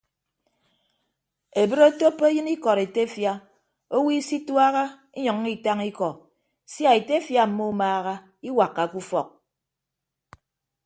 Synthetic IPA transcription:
e˨bɨ˦ɾo˦to˦pːe˦jɨ˦ni˦kɔ˨ɾe˨te˦fja˦ | o˦wi˦si˦twa˦ɣa˦ | i˦ɲɔ˨ŋː˦i˦ta˦ŋi˦kɔ˨ | sja˨e˨te˦fja˦m̩˨mo˦u˦maː˦ɣa˦ | i˦wa˨kːa˨ku˦fɔ˨k̚

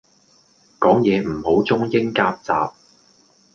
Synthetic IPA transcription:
kɔː˨˥ŋjɛː˨˧m̩˨˩ho˨˥wt͡sʊ˥ŋjɪ˥ŋkaː˧p̚t͡sa̰ː˨p̚

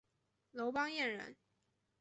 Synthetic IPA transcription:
lo˧˥ʊpɑ˥ŋjɛ˥˩nɻə̰˧˥n

